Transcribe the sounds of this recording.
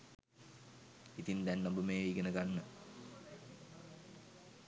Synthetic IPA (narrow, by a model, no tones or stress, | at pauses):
it̪ind̪ænːɐmbəmeːiɡenəkanːə